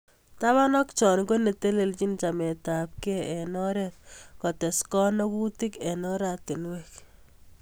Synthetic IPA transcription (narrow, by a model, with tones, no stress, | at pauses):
ta˦βa˦nɔ˦kt͡ʃɔ˨nɡo˦ne˨te˦le˨lt͡ʃi˦nt͡ʃa˨mɛ˨ta˨p̚kɛ˦ɛ˨nɔ˦ɾɛt̚kɔ˨tɛ˨skɔ˦nɔ˦ku˦ti˦kɛ˨nɔ˦ɾa˨tɪ˨nwɛk